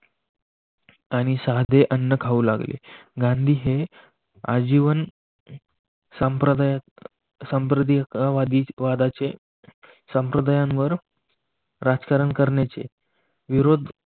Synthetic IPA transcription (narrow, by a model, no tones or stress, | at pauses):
aɽ̃isaɦd̪ʱeʔənːəkʰauːlaɡlḛɡãnd̪ʱiːɦe | a̰d͡ʑiʋən | sampɾəd̪j | səmpɾəd̪ikaʋad̪iʋad̪at͡se | sə̃mpɾəd̪ajãnʋəɾ | ɾad͡zkaɾənkəɾɳjat͡sḛ | ʋiɾod̪